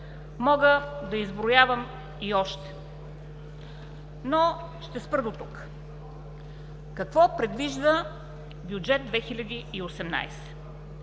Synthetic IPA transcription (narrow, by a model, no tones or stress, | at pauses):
mɔɡəd̪ɐizbɾʊjavəm | iɔʃt̪ɛ̥ | nɔ | ʃt̪ɛspɾəd̪ot̪uk | kɐkvɔpɾɛd̪viʒd̪ə | bjud͡ʒɛd̪̚d̪vɛxilʲɐd̪iːosɛmna̰jsɛ̥